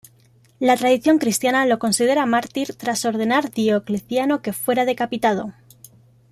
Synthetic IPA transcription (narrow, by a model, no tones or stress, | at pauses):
lat̪ɾaðiθjo̞ŋkɾist̪janalo̞ko̞nsið̞e̞ɾamaɾt̪iɾt̪ɾaso̞ɾð̞e̞naɾðiokleθjano̞ke̞fwe̞ɾað̞e̞kapit̪að̞o̞